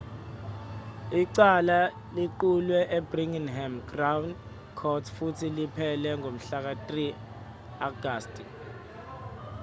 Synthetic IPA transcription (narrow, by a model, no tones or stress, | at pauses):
iǀala | liǃulwɛʔebriŋinɦɛmɡrawn | kʰɔtʰfutʰilipʰɛlɛŋom̩ɬak̬atʼri | aɡ̥aːstʼ